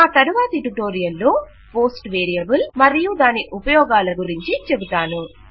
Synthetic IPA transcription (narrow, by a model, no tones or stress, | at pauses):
aːt̪ɐɾuʋaːt̪ɐʈuʈo̞ːɾijɐlːo̞ː | po̞ːsʈʋeːɾijɐbulmɐɾijud̪aːniʔupɐjɔːɡaːlɐɡuɾiɲt͡ʃit͡ʃebut̪aːnu